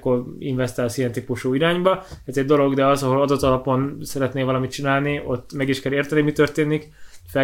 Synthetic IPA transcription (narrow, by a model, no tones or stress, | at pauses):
kːoriɱvɛst̪aːlsijɛnt̪ipuʃuːiɾaːɲbɒɛzɛɟ̚d̪o̞lo̞ɡd̪ɛɒzɒɦo̞lɒd̪o̞t̪ːɒlɒpo̞nsɛɾɛt̪neːvɒlɒmit̪̚t͡ʃinaːlniʔo̞t̪ːmɛɡiʃkɛleːrt̪ɛnimit̪ø̞rt̪eːnikfɛ